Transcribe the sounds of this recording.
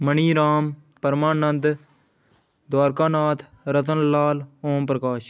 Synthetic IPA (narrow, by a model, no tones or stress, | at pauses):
məɳiːɾaːm | pəɾmaːnənd̪ | d̪waːɾkaːnaːt̪ʰ | ɾət̪ənlaːloːmpɾəkaːʃ